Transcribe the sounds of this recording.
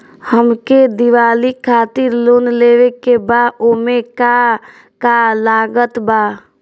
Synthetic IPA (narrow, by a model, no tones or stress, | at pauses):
həmked̪ɪwaːlikʰaːt̪ɪɾloːnleːwekebaːomẽka | kalaːɡət̪baː